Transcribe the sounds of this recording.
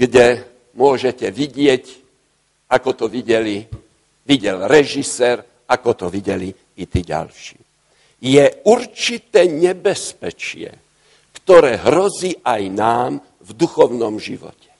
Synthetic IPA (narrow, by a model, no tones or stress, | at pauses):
ɡɟɛ | mʊɔʒɛcɛʋiɟɪɛc | akɔt̪ɔʋiɟɛli | ʋiɟɛlɾɛʒisɛːɾ | akɔt̪ɔʋiɟɛliː | t̪iːɟa̰lʃḭː | jɛuɾt͡ʃit̪ɛːɲɛbɛspɛt͡ʃɪɛ̰ | kt̪ɔɾɛːɦɾɔziːʔajnaːm | vd̪uxɔʊnɔmʒḭʋɔ̰cɛ̥